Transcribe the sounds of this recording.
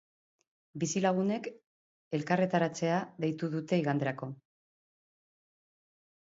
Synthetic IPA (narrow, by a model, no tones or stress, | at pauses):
bisilaɣ̞une̞k | e̞lkare̞t̪aɾat͡se̞aðe̞jt̪uðut̪e̞iɣ̞and̪e̞ɾako̞